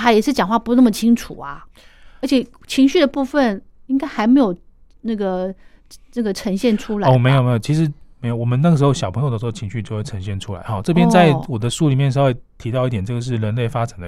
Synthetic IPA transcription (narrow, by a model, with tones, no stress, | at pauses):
t̪ʰa˥jɛ˨˩ʂɻ̩˥˩t͡ɕjɑ˨˩ŋxwa˥˩pu˧˥nə˥˩mə˩t͡ɕʰi˥ŋʈ͡ʂʰu˨˩ɐ̰˦ | ə˧˥t͡ɕʰɛ˨˩ | t͡ɕʰi˧˥ŋɕy˥˩d̪ə˩pu˥˧fə˨ni˥ŋka˥ɪxa˧˥ɪme˧˥ɪjo˨˩ʊ | na˥˩ɡə˩ | na˥˩ɡə˩ʈ͡ʂʰə˧˥ŋɕjɛ˥˩nʈ͡ʂʰu˥la˨o˥˦˧me˧˥ɪjo˨˩me˧˥jo˨˩t͡ɕʰi˧˥ʂɻ̩˧˥me˧˥jo˨˩wɔ˨˩mə˦na˥˩ə˩ʂ̬ɻ̩˧˥xo˥˧ʊɕjɑ˨˩ʊpʰɤ˧˥ŋo˨˩də˩ʂ̩˧˥o˥˩t͡ɕʰi˧˥ŋɕy˥˧t͡ɕo˥ʊxwe˥˩ʈ͡ʂʰə˧˥ŋɕjɛ˥˩nʈ͡ʂʰu˥la̰˧˦ɪxɑ˥˧ʈ͡ʂɤ˥˧pjɛ˦˥nt͡sa˥˩ɪwɔ˨˩d̪ə˦ʂu˥˩li˨˩mjɛ˥nʂ̬ɑ˥˦xwe˥˧ɪt̪ʰi˧˥ɑ˥˧ʊi˥˩t̪jɛ˨˩nʈ͡ʂɤ˥˩ɡə˩ʂ̬ɻ̩˥˩ɻə˧˥nle˥˩ɪfa˥t͡sa˨˩nd̪ə̰˦